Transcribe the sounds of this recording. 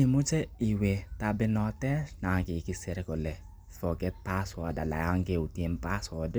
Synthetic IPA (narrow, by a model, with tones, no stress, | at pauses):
i˨mu˦t͡ʃe˦i˨we˨ta˦bɪ˦nɔ˨tɛ˦na˨ŋkɪ˨ki˦se˨ɾe˦kɔ˨lɛ˨ | fɔ˨ɡɛ˦t̚pa˦swa˨da̰˨la̰˨ja˦ŋke˦u˨tje˦npa˦sɔ˨d